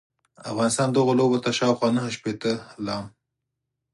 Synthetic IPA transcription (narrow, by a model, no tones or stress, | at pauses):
a̰fɣɑnɪst̪ɑnd̪əɣolobot̪aʃɑwxwɑnəhəʃpet̪əlɑm